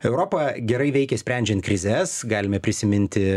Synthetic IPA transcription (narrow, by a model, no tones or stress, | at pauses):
ɛʊɾoːpɐɡʲɛɾɐɪʋʲɛɪkʲɛsʲpʲɾʲænʲd͡ʒʲɛnt̪̚kɾʲɪzʲɛsɡɑːlʲɪmʲɛpʲɾʲɪsʲɪmʲɪnʲt̪ʲɪ